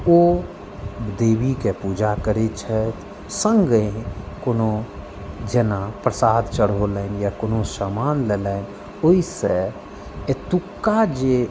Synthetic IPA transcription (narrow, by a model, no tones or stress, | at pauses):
o | d̪eːbikepuːd͡ʒakəɾet͡ʃʰət̪ | sə̃ŋɡəĩkono | d͡ʒenapɾəsaːd̪t͡ʃəɽɦoləɪnjakoːnosamaːnleləɪn | oise | et̪ukːad͡ʒe